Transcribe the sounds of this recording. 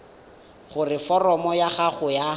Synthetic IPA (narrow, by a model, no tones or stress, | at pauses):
χʊrɪfɔrɔmɔjaχaχʊja